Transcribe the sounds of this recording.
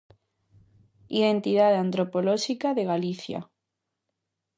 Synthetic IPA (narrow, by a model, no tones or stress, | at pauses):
iðent̪iðaðeant̪ɾopoloʃikaðeɣaliθja̰